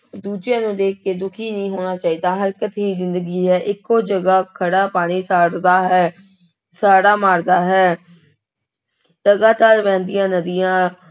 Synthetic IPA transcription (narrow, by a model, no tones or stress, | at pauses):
d̪uːd͡ʒẽːnũːd̪eːkʰkeːd̪ʊkʰiːnəĩːɦoːɽ̃aːt͡ʃaːiːd̪aːɦəɾkət̪ɦiːzɪnd̪əɡiːɦɛːʔɪkːoːd͡ʒəɡaːkʰəɽaːpaːɽ̃iːsaːɽd̪aːɦɛː | saːɽaːmaːɾɡ̪aːɦɛː | ləɡaːt̪aːɾʋɛ̃ːnd̪ɪjãːnəd̪ɪjãː